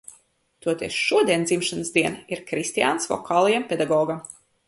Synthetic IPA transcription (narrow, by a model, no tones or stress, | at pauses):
t̪uɔt̪iɛsʃuɔd̪iɛnd̪zimʃanɨsd̪iɛniɾkɾist̪ijaːnsvɔ̰kaːlˠajampʲɛd̪aɡɔːɡam